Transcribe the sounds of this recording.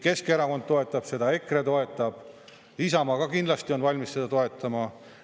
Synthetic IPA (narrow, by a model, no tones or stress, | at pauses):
ke̞skeɾɑko̞nd̪̚t̪ːo̞e̞t̪ːˑɑb̥se̞d̪̥ɑe̞kːˑret̪o̞e̞t̪ˑːɑb̥ | isɑmɑɡ̥ɑkind̪lɑst̪io̞nvɑlʲmisse̞d̪̥ɑt̪o̞e̞t̪ːˑɑmɑ